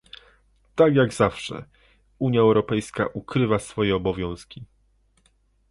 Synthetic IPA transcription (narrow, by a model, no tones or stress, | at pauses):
t̪akjaɡzafʂɛ̰ | uɲjaɛwɾɔpɛjska̰ʔukɾɘvasfɔjɛɔbɔvʲjɔ̃w̃skʲi